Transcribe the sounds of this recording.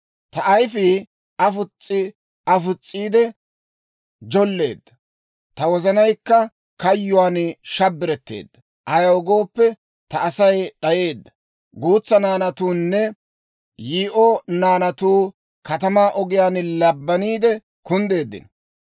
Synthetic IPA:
t̪ɐʔɐjfɪ | ɐfʊt͡sʼːɪ | ɐfʊt͡sʼːiːd̪ɛ | d͡ʒɔlːe̞̰ːd̪ːɐ̥ | t̪ɐwɔzɐnɐjkːɐ | kɐjːʊwaːnʃɐbːɪɾɛt̪ːe̞̰ːd̪ːɐ | ʔɐjɐwʊɡo̞ːpːɛ | t̪ɐsɐjɗɐje̞ːd̪ːɐ | ɡuːt͡sːɐnaːnɐt̪uːnːɛ | jiːʔɔnaːnɐt̪uː | kɐt̪ɐmaːʔɔɡɪjaːnlɐbːɐniːd̪ɛ | kʊnd̪e̞ːd̪ːɪ̰n

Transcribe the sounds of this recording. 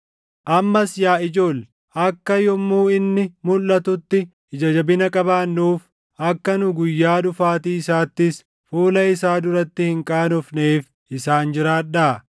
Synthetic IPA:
ʔɐmːɐsjaːɪd͡ʒo̞ːl | ʔɐkːɐjɔmːuːɪnːɪmʊlːɐt̪ʊt̪ːɪ | ɪd͡ʒɐd͡ʒɐbɪnɐkʼɐbaːnːuːf | ɐkːɐnʊɡʊjːaːd̪ʊfaːt̪iːɪsaːt̪ːɪs | fuːlɐɪsaːd̪ʊɾɐt̪ːɪhɪŋkʼaːnɔfneːf | ɪsaːnd͡ʒɪɾaːᶑaː

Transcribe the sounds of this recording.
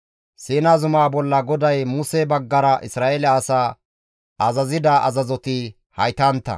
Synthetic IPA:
siːnazʊmaːbɔlːɐɡɔd̪ɐjmuːseːbɐɡːɐɾɐʔɪsɾaːʔelɛɐsaː | ɐzɐzɪd̪ɐʔɐzɐzɔt̪ɪ | hɐjt̪ɐnt̪ːɐ̰

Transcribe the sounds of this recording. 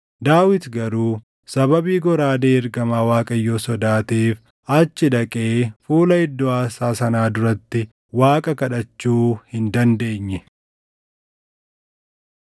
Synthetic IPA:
d̪aːwɪt̪ɡɐɾuː | sɐbɐbiːɡɔɾaːd̪eːɪɾɡɐmaːwaːkʼɐjːo̞ːsɔd̪aːt̪eːf | ɐt͡ʃːɪᶑ̪ɐkʼeːfuːlɐɪd̪ːɔaːsaːsɐnaːd̪ʊɾɐt̪ːɪ | waːkʼɐkɐᶑɐt͡ʃːuːhɪnd̪ɐnd̪e̞ːɲːɛ

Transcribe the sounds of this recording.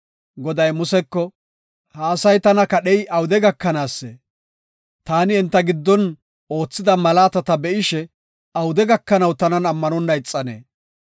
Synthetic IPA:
ɡɔd̪ɐjmʊsɛkːɔ | hɐːsɐjt̪ɐnɐkɐɗɛjʔɐwʊd̪ɛɡɐkːɐnaːsːḛ | t̪aːnɪɛnt̪ːɐɡɪd̪ːɔn | o̞ːt͡sːɪd̪ɐmɐlaːt̪ɐt̪ɐbɛʔɪʃɛ | ɐwʊd̪ɛɡɐkːɐnɐwt̪ɐnɐnɐmːɐnɔnːɐjɪt͡sʼːɐnḛː

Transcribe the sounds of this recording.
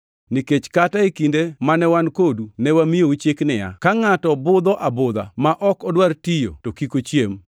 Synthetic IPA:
niket͡ʃkataikindemanɛwankodunɛwamijout͡ʃeknɪja̰kaŋatɔbʊd̪ɔʔabʊd̪a̰maʔɔkɔdwartijo̰tokikot͡ʃjem

